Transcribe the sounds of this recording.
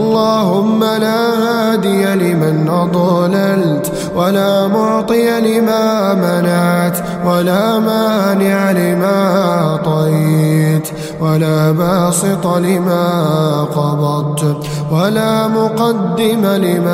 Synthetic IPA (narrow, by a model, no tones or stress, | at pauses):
ʔɑlˤːɑːhʊmːalaːhaːd̪ɪjalɪmanʔɑd̪ˤɑlalt̪ | walaːmʊʕt̪ˤɨjalɪmaːmalaʕt̪ | walaːmaːnɪʕalɪmaːt̪ˤɑjt̪ | walaːbɑːsɪt̪ˤɑlɪmaːqɑbˤɑt̪ | walaːmʊqɑd̪ːɪmalɪmaː